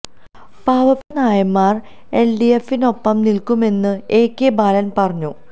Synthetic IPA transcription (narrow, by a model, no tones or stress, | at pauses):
paːʋɐpːɐnaːjɐmːaːr | e̞lɖiefːino̞pːɐmnilkume̞nːɨe̞ːkːebaːlɐnpɐrɐɲːu